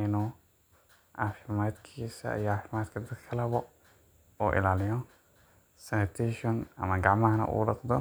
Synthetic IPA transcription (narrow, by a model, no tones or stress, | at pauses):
ɪnu | ʔafɪmaːd̪kʰiːsɐ̰ḭjɔaːfɪmaːd̪kʰɐd̪ɐd̪kʰɐlɐβɔ | uːʔɪ̰laːlɪjɔ | sɛnɪt̪ʰɛʃɔnɐ̰mɐɡaʕmɐhɐnɐ̰ʔṵːɖɑqd̪ɔ